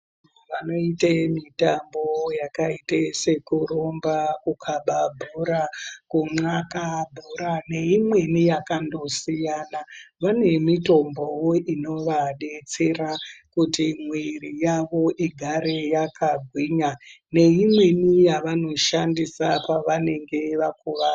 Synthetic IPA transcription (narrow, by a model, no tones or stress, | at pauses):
ʋano̞itemitambo̞jakaitese̞kuɾombakukʰaɓabʱuɾakuŋ͡ǀakabʱuɾane̞imwe̞nijakando̞sijanaʋane̞mito̞mbowoʔino̞ʋaɗe̞t͡se̞rakutimwirijaʋo̞ʔiɡʱaɾejakaɡʱwiːɲane̞imwe̞nijaʋano̞ʃandisapaʋane̞ŋɡe̞ʋakuʋa